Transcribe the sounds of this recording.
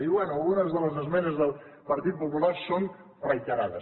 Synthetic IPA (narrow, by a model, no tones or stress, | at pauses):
iβwɛnuəlˠɣunəzðələzəzmɛnəzðəlˠ | pəɾt̪it̪̚pupulason | rəjt̪əɾaðəs